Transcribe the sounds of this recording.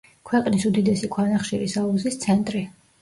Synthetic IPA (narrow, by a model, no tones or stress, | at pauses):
kʰwɛqʼnisud̪id̪ɛsikʰʼwanaχʃiɾisalˠuzist̪sʰɛnt̪ʼɾi